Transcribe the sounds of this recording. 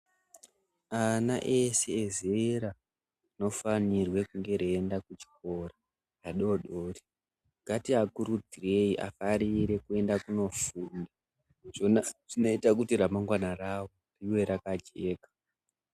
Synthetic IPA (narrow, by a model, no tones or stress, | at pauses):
anaʔe̞se̞ːzeɾa | ino̞fanirwe̞kuŋɡe̞ɾeːndakut͡ʃi̥ko̞ra | raɗo̞ɗoːri | ɡ̥ʱatiakuɾud͡zire̞iʔa̰faɾiɾe̞kue̞ndakuno̞fuːnda | ʐonaʐ̥ino̞itakutiɾamaŋɡwanarawo̞ | riwe̞ɾakad͡ʒe̞ːkḁ